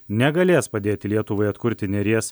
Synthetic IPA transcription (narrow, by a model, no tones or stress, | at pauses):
nʲɛɡɐlʲeːspɐd̪ʲeːt̪ʲɪlʲiɛt̪ʊʋɐɪɐt̪kʊɾʲt̪ʲɪnʲɛɾʲeɛs